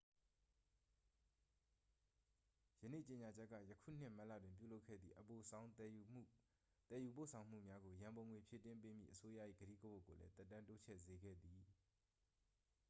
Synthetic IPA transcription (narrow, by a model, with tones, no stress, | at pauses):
jə˨nḛ˦˨t͡ɕe˨ɲa˨d͡ʑɛ˦kːä̰˦˨jəkʰṵ˦˨n̥ɪ̰̃˦˨ma˦ʔlä̰˦˨dwɪ̃˨mpjṵ˦˨lo˦kʰɛ̰˦˨d̪ðḭ˨ʔəpõ˨ | t̪ɛ˨ju˨p̬o˦˨sʰã˨ʊ̃m̥ṵ˦˨mja˦ɡo˨jã˨mbõ˨ŋwe˨pʰje˦˨tɪ̃˦mpe˦m̥jḭ˦˨ʔəso˦ja̰˦˨ʔjḭ˦˨ɡ̥əɾḭ˦˨ɡə˦bo˦˨kːo˨lɛ̰˦t̪ɛ˦tːã˦nto˦t͡ɕʰɛ̰˦˨ze˨ɡɛ̰˦˨d̪i˨